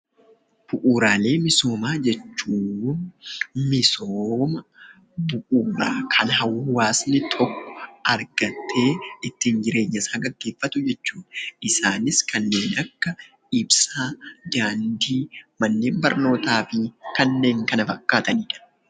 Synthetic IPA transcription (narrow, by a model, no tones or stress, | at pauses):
b̥ʊʔuːɾaːle̞ːmɪso̞ːmaːd͡ʒɛt͡ʃːuː | mɪsoːmɐ | bʊʔuːɾa̰ːkʰɐnɦɐwːɐhʊwaːsnɪt̪ʰɔkːɔ̥ɐɾɡɐt̪ʰːe̞ːɪt̪ːɪnd͡ʒɪɾe̞ːɲːɐsaːɡɐɡːe̞ːfːɐt̪ʊd͡ʒɛt͡ʃːuːᶑɐʔɪsaːnɪskʰɐnːe̞ːnɐkːɐ | ɪbsaːd̪aːnd̪iːmɐnːe̞ːmbɐɾno̞ːt̪aːfɪkɐnːe̞ːŋkɐnɐfɐkʼːaːt̪ɐniːᶑɐ̥